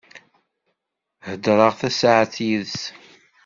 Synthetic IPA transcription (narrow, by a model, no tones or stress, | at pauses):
həd̪ɾˤəʁθæsaʕθjiðs